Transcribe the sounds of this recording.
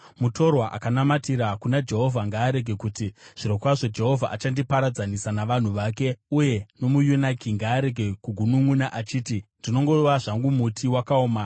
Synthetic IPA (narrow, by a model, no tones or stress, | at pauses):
muto̞rwaʔa̰kanamatiɾakunad͡ʒe̞ɦo̞vʱaŋɡaːɾe̞ɡʱe̞kutiʐ̥iɾokwaʐo̞d͡ʒe̞ɦo̞vʱa̰ʔat͡ʃandipaɾad͡zanisanaʋan̤uʋake̞uje̞no̞mujunakiŋɡaːɾe̞ɡʱe̞kuɡʱunuŋunaʔat͡ʃiːtindino̞ŋɡo̞ʋaʐaŋɡumutʰiwakaoːma